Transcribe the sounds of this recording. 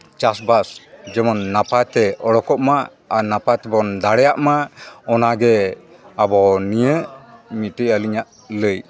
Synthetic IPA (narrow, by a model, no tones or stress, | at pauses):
t͡ʃasbasd͡ʒɛmɔnːapat̪ɛɔɽɔkɔʔmaː | napat̪ɛbɔnd̪aɽɛjaʔmaɔnaɡɛ | abɔnijəmitəʔaliɲaʔ | ləj